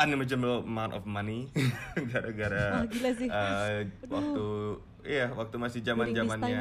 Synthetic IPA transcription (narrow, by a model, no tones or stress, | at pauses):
animət͡ʃəmbəlmawnt̪ɔ̰fmaniɡaɾaɡaɾalsəwak̚t̪u | ijawak̚t̪umasɪhd͡ʒamand͡ʒamanɲa